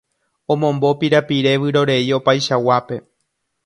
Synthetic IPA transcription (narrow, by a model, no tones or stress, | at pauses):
õ̞mõ̞mbo̞piɾapiɾe̞ʋɨɾo̞ɾe̞io̞pajʃawape̞